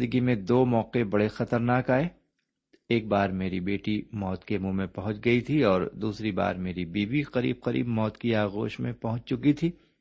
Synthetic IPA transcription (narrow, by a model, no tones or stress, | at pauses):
d̪əɡimẽd̪oːmɔːqebɐɽexɐt̪əɾnaːkaːeː | eːk̚baːɾmeːɾibeːʈimɔːt̪kemũmẽpɐɦʊ̃t͡ʃɡɐit̪ʰiɔːɾd̪uːsɾiba̰ːɾmeːɾibiːbiqɐɾḭːb̚qɐɾḭːbmɔːt̪kiaːɣo̰ːʃmḛ̃pɐɦʊ̃t͡ʃt͡ʃʊkit̪ʰiː